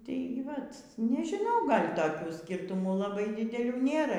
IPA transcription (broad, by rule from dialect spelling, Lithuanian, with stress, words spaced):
tʲeːɪ ˈʋɐt nʲɛʒʲɪˈnɐʊ ˈɡɐlʲ tɐˈkʲuː ˈsʲkʲɪrtʊmuː lˠɐˈbɐɪ dʲɪdʲɛˈlʲuː ˈnʲeːrɐ